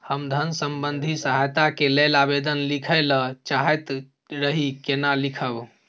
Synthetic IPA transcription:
həmd̪ʱənsəmbənd̪ʱisəɦajt̪akelelabed̪ənlikʰələt͡ʃaɦɛt̪ | ɾəɦikenalikʰəb

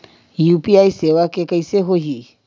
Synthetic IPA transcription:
jupiaisewakekaiseɦoɦi

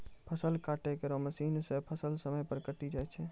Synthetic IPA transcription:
pʰəsəlkaʈekeɾɔməsinsepʰəsəlsəməjpəɾkəʈid͡ʒajt͡ʃʰɛ

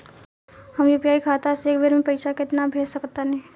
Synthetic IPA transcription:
hɐmjopjaːikʰaːt̪aseːkbʱeɾmẽpɐɪʃakɪt̪nabʱeːsɐkt̪anɛ

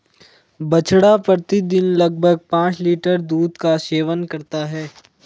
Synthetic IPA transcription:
bɐt͡ʃɽapət̪id̪ɪnlɐɡ̚bʱəɡ̚pãːt͡ʃliːʈəɾd̪uːd̪kaseːʋənkɐɾt̪aɦɛː

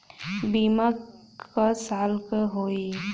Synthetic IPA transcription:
biːma | kasaːlkəɦoːi

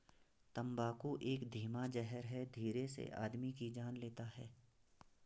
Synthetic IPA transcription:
t̪ɐ̃mbaːkuʔeːkd̪ʱiːmad͡ʒɛɦəɾɦɛd̪ʱiːɾesḛʔa̰ːd̪mikid͡ʒaːnleːt̪aɦɛː

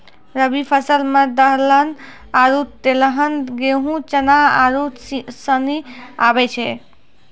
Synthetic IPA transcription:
ɾəbipʰəsəlmed̪əɦlən | aɾut̪eləɦənɡeɦũt͡ʃənaa̰ɾusəniabɛt͡ʃʰɛ

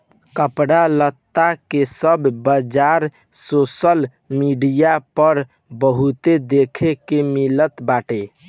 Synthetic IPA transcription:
kəpɽalət̪ːakesəbʱbəd͡ʒaɾ | sosəl | miɖijapəɾ | bəɦut̪ed̪ekʰekemilət̪baʈe

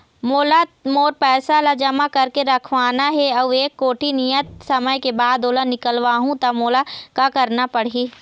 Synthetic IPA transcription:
moːlamoːɾpɛːsalad͡ʒɐmakɐɾkeɾɐkʰʋaːnaɦɛɐʋeːkːoːʈʰinijət̪̚sɐməjkebaːd̪oːlanɪkəlʋaːɦũt̪ɐmoːlakakɐɾnapɐɽ̤iː

